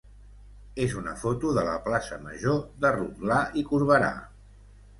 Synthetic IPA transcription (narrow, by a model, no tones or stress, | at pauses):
ezunəfot̪uðələ̰plasəməʒoðəruɣlaikuɾβ̞əɾa̰